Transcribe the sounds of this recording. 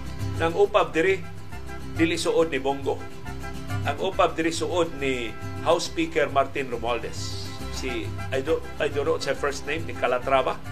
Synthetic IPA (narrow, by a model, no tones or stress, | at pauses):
naŋuːpab̚d̪ɪɾɪ | d̪ilɪʔsʊʔod̪̚nɪboŋɡo | ʔaŋuːpab̚d̪ɪɾɪsʊʔʊd̪̚nɪ | hawspikɛɾmaɾt̪ɪnɾʊmald̪ɛsː | i | ajdo | ajdonːotshɛfɛɾst̪nejmnɪkalat̪ɾava